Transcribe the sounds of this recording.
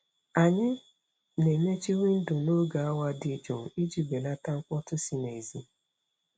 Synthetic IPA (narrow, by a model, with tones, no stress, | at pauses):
a˨ɲɪ˦ | ne˨me˦t͡ʃi˦wi˦n̩˦dʊ˨no˦ɡa˨a˦wa˦dɪ˨d͡ʒo˨i˦d͡ʒi˨be˨na˦ta˦ŋ̩˦kɔ˦tʊ˦si˦ne˨zi˦